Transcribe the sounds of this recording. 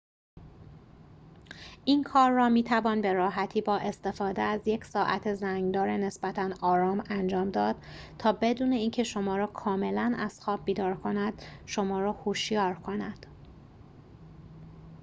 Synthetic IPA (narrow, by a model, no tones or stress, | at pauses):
ʔinkʰɒːɾːɒːmiːt̪ʰævɒːnbe̞ɾɒːɦæt̪ʰiːbɒːʔe̞st̪e̞fɒːd̪eæzje̞cʰsɒːʔæ̰t̪ʰe̞zæŋɡd̪ɒːɾene̞sbæt̪ʰænɒːɾɒːmænd͡ʒɒːmd̪ɒːd̪̥̚ | t̪ʰɒːbe̞d̪uːne̞iːncʰe̞ʃo̞mɒːɾɒːkʰɒːme̞lænæ̰z̥xɒːb̚biːd̪ɒːɾkʰo̞næd̪̥ʃo̞mɒːɾɒːhoʃjɒːɾkʰo̞næd̪̥